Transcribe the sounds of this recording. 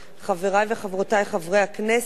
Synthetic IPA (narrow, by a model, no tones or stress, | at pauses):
χaveʁajveχavʁotajχavʁejhakne